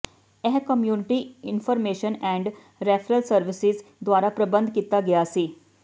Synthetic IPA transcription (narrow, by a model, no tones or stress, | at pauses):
ɛɦkəmjunɪʈiinfɔɾmeɕənɛ̃ɳɖ | ɾɛfɾəlsəɾʋisizd̪ʋaɾapɾəbənd̪ʱkit̪aɡeəsi